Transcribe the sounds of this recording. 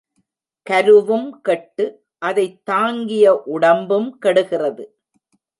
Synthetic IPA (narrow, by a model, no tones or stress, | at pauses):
kɐɾɯʋɯmkɛʈːɯ | ʔɐðɐɪt̪ːaːŋɡɪjɐʔʊɽɐmbɯmkɛɽɯɣɪrɐðɯ